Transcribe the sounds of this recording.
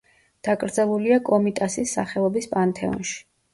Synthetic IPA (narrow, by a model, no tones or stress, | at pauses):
d̪̥akʼɾd̪zɛlˠuliakʼɔmit̪ʼasisːa̰χɛɔbispʼant̪ʰɛɔ̰nʃi̥